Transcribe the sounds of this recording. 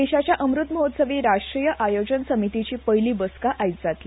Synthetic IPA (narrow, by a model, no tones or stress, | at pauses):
eɕat͡ɕjaʔəmɾut̪məɦot̪səʋiːɾaʂʈɾiːjəʔajod͡ʑənsəmit̪it͡ɕiːpəjliːbəskaʔajt̪d͡zat̪li